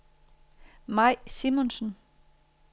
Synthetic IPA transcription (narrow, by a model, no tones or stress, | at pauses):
mɑ̈ɪ̰simonsn̩